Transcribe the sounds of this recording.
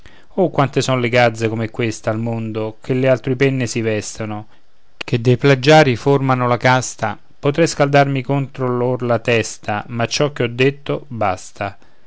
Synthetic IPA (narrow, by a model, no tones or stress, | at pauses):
okːwant̪esɔnoleɡad̪zːekomɛkːwest̪almond̪ok̟ʰelːɪalt̪ɾipɛnːɪsivɛst̪ono | k̟ed̪ːejplad͡ʒːaːɾiformanolakast̪a | pot̪ɾɛjskald̪armikont̪ɾolorlat̪ɛst̪amat͡ʃːɔk̟ːeɔd̪ːet̪ːobast̪a